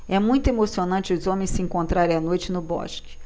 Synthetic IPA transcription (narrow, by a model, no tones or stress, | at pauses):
ɛmũj̃t̪ʊemosionɐ̃nt͡ʃɪʊzõmẽj̃sɪẽŋkõnt̪ɾaɾẽanojt͡ʃɪnʊbɔ̰ʃkɪ̥